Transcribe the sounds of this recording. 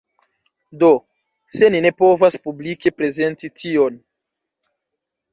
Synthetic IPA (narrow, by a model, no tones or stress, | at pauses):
do̞ | se̞nine̞po̞vaspublike̞pɾe̞ze̞ntitʰio̞n